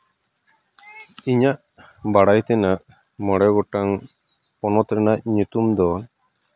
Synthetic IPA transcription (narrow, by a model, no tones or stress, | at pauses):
iɲaʔ | baɽajt̪ɛnaʔ | məɽɛɡɔʈaŋ | pɔnɔt̪ɾɛnac̚ɲut̪umd̪ɔ